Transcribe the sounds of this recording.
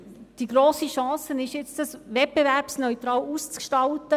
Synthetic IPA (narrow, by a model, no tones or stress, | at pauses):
d̥iɡɾoːsiʃɑ̃ːsənɪʃjɪt͡sd̥ɑsʋɛt̚b̥evæɾpsnœʏt̪ɾɑːluːst͡skʃtɑltə